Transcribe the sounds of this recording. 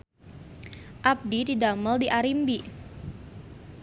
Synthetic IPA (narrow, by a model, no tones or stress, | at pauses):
ʔap̚dididaməldiʔaɾimbi